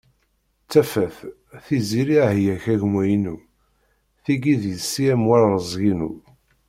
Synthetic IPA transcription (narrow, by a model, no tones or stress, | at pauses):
t͡sːæfæθ | θiziɾihjæçæʝmæjinu | θiɡiðjəsːiæmwæɾðəzˤɣinṵ